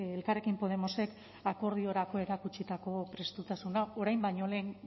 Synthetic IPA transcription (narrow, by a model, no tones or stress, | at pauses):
elkare̞kimpo̞ð̞e̞mo̞se̞k | ako̞ɾð̞io̞ɾako̞e̞ɾakut͡ʃit̪ako̞pɾe̞st̪ut̪asunao̞ɾajmbaɲo̞le̞ːn